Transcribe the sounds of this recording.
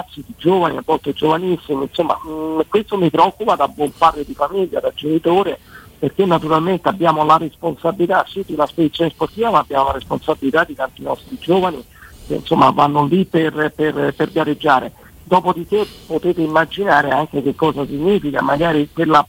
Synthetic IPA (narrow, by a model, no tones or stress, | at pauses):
at̪sːid̪id͡ʒoːvaniavːɔlt̪ed͡ʒovanisːiminsomːa̰kwest̪omipɾeɔkːupad̪abwɔmparːed̪ifamiʎːa̰d̪ad͡ʒenit̪oːɾeperk̟enːat̪uɾalment̪eabːjaːmolaresponsabilit̪asid̪iunasped̪it̪sjoːnesport̪iːvamaːbːjaːmolaɾesponsabilit̪ad̪ːit̪ant̪inɔst̪ɾid͡ʒoːvani | kḛnsomːa̰vanːoliperperperɡjared͡ʒːaːɾḛ | d̪ɔːpod̪ik̟epːot̪eːt̪eimːad͡ʒinaːɾeaŋk̟ek̟ekːɔːzasiɲːiːfika̰maɡaːɾikwelːa